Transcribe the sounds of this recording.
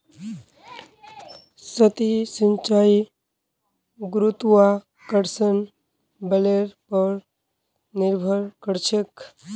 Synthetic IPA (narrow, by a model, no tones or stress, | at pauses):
sət̪isə̃ɲt͡ʃaːi | ɡɾut̪wa | kəɾsən | bəleɾpəɾ | nɪɾbʱəɾkəɾt͡ʃʰək